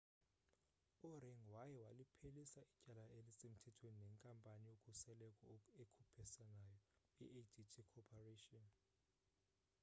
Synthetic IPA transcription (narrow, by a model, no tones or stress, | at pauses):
urɛŋwajɛwalipʰelisaʔicʼalaelisem̩tʰɛtʰweninɛŋkʼampʼanijokʼusɛlɛkʼɔekʰupʰɛsɛnajɔ | ḭʔedʰitʰikʰɔpʰareːtʼɔn